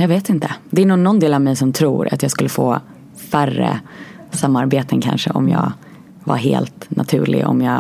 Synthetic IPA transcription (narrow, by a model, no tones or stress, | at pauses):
jɑːɡveːt̪ɪnt̪əd̪ɛæɳʊnɔnd̪eːlavmɛjsɔmt̪ʰɾuːɾa̰t̪jɑːɡskɵlːəfoː | færːə̰samːaɾbeːt̪ənkʰanʂəʔɔmjɑː | vaɾɦeːlt̪nʔat̪ʰʉ̟̰ːɭɪɔ̰mjɑː